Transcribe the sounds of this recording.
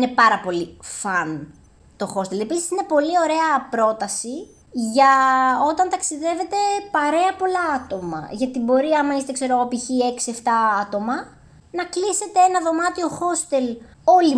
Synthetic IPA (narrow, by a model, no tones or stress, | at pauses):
ne̞pɐɾɐpo̞lifɐn | t̪o̞xo̞st̪e̞le̞pisi̥sine̞po̞lio̞ɾe̞ɐpɾo̞t̪ɐsi | ʝɐo̞t̪ɐnt̪ɐksiðe̞ve̞t̪e̞pɐɾe̞ɐpo̞lɐɐt̪o̞mɐ̰ʝɐt̪ibo̞ɾiɐmɐist̪e̞kse̞ɾo̞ɣopiçie̞ksie̞ft̪ɐɐt̪o̞mɐ | nɐklise̞t̪e̞enɐðo̞mɐt̪io̞xo̞st̪e̞l | o̞li